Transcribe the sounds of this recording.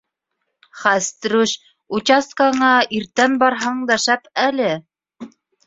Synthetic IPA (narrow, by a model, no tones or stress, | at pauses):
χæst̪ɾuʃ | ut͡ɕɑst̪̚kaɴɑiɾt̪ænbɑɾɦɑɴd̪ɑʃæpælɘ